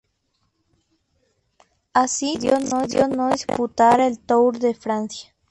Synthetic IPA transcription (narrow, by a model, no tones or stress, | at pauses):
asid̪jonod̪jonod̪isput̪aɾaelt̪owɾðefɾansjḁ